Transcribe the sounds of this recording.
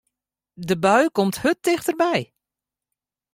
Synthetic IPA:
dəbœɥkɔmthɵt̚ɪχtərbɛj

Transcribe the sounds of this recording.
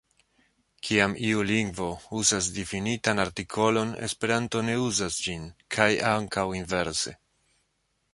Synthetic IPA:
kʰiamiuliŋɡvo̞uzas̬difinitanaɾtikʰo̞lo̞ne̞̰spe̞ɾanto̞ne̞uzasd͡ʒinkʰajaŋkawinve̞ɾse̞̰

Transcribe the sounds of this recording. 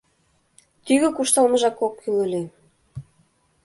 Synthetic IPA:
t̪yɣɘ̆kuʃt̪ɑlmə̆ʒɑkokːylø̆lʲe

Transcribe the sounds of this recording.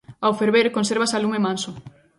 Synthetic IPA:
awfeɾβeɾkonseɾβasalumemanso

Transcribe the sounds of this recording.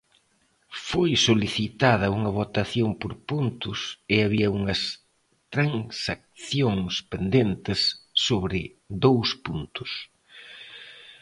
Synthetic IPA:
fojsoliθit̪aðɐuŋɐβot̪aθjoŋpoɾpunt̪ʊsɪaβiɐuŋɐs | t̪ɾaŋsak̚θjoŋspend̪ent̪ɪsːoβɾɪ | ðowspunt̪ʊ̥s

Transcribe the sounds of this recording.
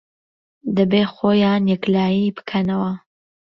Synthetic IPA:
d̪ɐbeːxoːjaːnjɛklaːjiːbɨ̥kʰɐnɐwɐ

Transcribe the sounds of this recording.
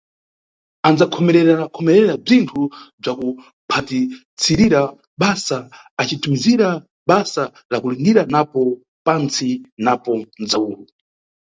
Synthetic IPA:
and͡zakʰɔmɛɾɛɾaakʰɔmɛɾɛɾab͡ʐintʰub͡ʐaku | pʰati | t͡sʰiɾiɾa | ɓasaː | t͡ʃitumiziɾa | ɓasa | lakulindiɾanapɔ | pant͡sinapɔnd͡zauːlu

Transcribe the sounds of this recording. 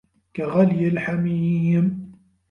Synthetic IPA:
kaɣaljalħamiːm

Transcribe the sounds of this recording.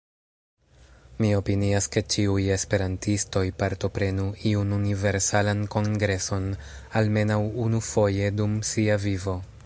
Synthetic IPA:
mio̞piniaske̞t͡ʃiuje̞spe̞ɾantisto̞jpaɾto̞pɾe̞nuiununive̞ɾsalanko̞ŋɡɾe̞so̞nalme̞nawunufo̞je̞dumsiavivo̞

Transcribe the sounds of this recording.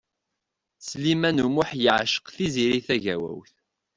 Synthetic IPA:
slimænumʊħjəʕʃə̥qθiziɾiθæʝæwæ̰wθ

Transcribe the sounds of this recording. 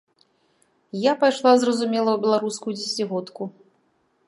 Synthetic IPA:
japajʂlˠazrɐzumʲɛlˠɐwbʲɛlˠaɾuskujud͡zʲɛsʲɪt͡sʲiɣɔt̪ku

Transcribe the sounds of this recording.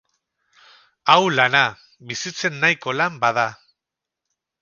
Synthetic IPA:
awlana | βisit͡se̞nːajko̞lambað̞a

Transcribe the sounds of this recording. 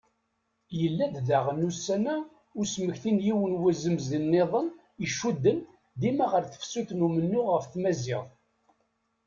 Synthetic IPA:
jəlːæððæʁənːusːænæ | ʊɾsməçθinjiwənwæzəmzənːeðˤən | əʃːud̪ːən | ðimæʁəɾθə̥fsuθnumənːʊʁəfθmæzɪðˤ

